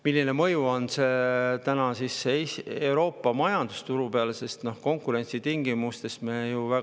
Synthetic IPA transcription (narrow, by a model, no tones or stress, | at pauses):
milːine̞mɤjuo̞nse̞t̪ænɑsisːesewɾo̞ːpːˑɑmɑjɑnd̪̥ust̪uɾupeɑlese̞st̪nohko̞ŋkˑuɾe̞nʲt̪sit̪iŋɡimust̪e̞st̪mejuvæ